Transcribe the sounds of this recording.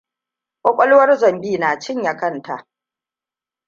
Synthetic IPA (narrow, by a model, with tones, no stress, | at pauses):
kʷʼɔ˦kʷʼɔ˦lwɐ˦rzɐ˨mbiː˦naː˨t͡ʃɪ˦ɲja˨kɐ˦˨nta˨ʔ